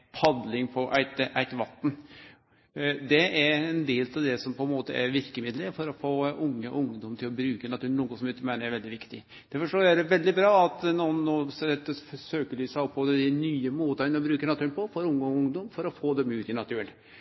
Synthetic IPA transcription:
pʰɑd̪lɪŋpʰɔʔæɪt̪ʔæɪt̪ʋɑt̪n | d̪ɛæɾɛnd̪eːlt̪ʰɑʋd̪ɛsɔmpʰɔɛnmoːt̪əæɾʋɪɾkəmɪd̪ləɾfɔɾɔfoːʊŋːəʔʊŋd̪ɔmt̪ʰɪlɔbɾʉːkənɑt̪ʰʉːnuːɡsɔmɪkːəmæɪnəɾæɾʋɛld̪ɪʋɪkt̪ɪ | d̪̥æɾfɔʂɔæd̪ɛʋɛld̪ɪbɾɑːɑt̪nuːnːoːsd̪ɛt̪ːəfsøːkəlyːsæɔpʰːɔd̪ɛd̪ɪnyːəmoːt̪ɑnɾɔbɾʉːkənɑt̪ʰʉːənpʰɔfɔɾʊŋːɔʊŋd̪ɔmfɔɾɔfoːd̪ɛmʉlt̪ɪnɑt̪ʰʉːl

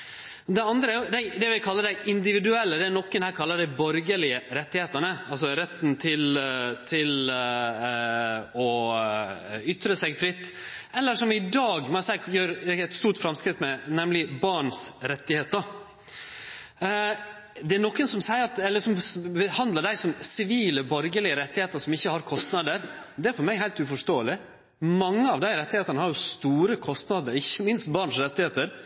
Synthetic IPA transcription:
d̪ɛɑnd̪ɾəæɾjʊd̪ɛd̪ɛʋɪkʰɑlːəd̪ɛɪʔɪnd̪ɪʋɪd̪ʉɛlːəd̪ɛæɾnɔkːənhæːɾkʰɑlːəɖ̪ɛɪbɔɾɡəlɪəɾɛt̪ːɪheːt̪ənəɑlsɔɾɛt̪ːnt̪ʰɪlt̪ʰɪl | ɔ | ʏt̪ɾəsɛɡfɾɪt̪ːɛlːəʂɔmɪd̪ɑːɡmɑsɛjøːɾɛt̪st̪uːʈfɾɑmskɾɪt̪mɛnɛmlɪbɑɳsɾɛt̪ːɪheːt̪ə | d̪ɛænɔkːənsɔmsæɪəɾɑt̪ɛlːəʂɔmbəhɑnd̪ləɖ̪æɪsɔmsɪʋiːləbɔɾɡəlɪəɾɛt̪ːɪheːt̪əʂɔmɪçːəhɑɾkʰɔst̪nɑd̪əɾd̪ɛæɾfɔɾmæɡhæɪlt̪ʉfɔʂt̪oːəlɪ | mɑŋːəɑʋd̪æɪɾɛt̪ːɪheːt̪əɳəhɑɾjʊst̪uːɾəkʰɔst̪nɑd̪əɾɪçːəmɪnst̪bɑːɳsɾɛt̪ːɪheːt̪əɾ

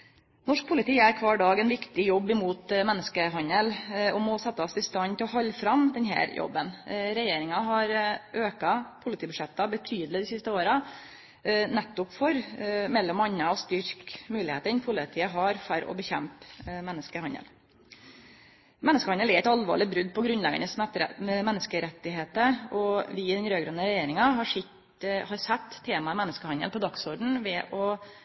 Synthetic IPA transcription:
nɔʂk̚pʰʊlɪt̪ʰiːæɾkʰʋɑːɖɑːɡɛnʋɪkt̪ɪjɔbːɪmuːt̪mɛnːəskəɦɑnəlɔmɔsɛt̪ːəɑsɪst̪ɑnt̪ʰɪlɔɦɑʎːfɾɑmd̪ɛnɦæ̰ːɾjɔ̰bːənɾɛjeːɾɪŋɑɦɑɾʔøːkɑpʰʊlɪt̪iːbʉʂɛt̪ːɑbət̪ʰyːd̪lɪd̪ɪsɪst̪əoːɾɑ | nɛt̪ːʊpfɔɾmɛlːɔmɑɲːəɔst̪ʏɾkmʉːlɪheːt̪əɪnpʰʊlɪt̪ʰiːəɦɑɾfɔɾɔ̰bəçɛmpmɛnːəskəhɑnə̰l | mɛnːəskəhɑnd̪əlæɾɛɪt̪ɑlʋo̰ːɭɪt̪̚bɾʉd̪ːpʰɔɡɾʉnlɛɡɑ̰nəsmɛmɛnːəskəɾɛt̪ːɪɦeːt̪əɔʋɪɪd̪ɛnɾøːɡɾønːəɾɛjeːɾɪŋɑɦɑʂɪ | hɑɾsɛt̪ʰːeːmɑmɛnːəskəhɑnd̪ə̰lpʰɔd̪ɑksɔɖɳ̩ʋɛʔɔ

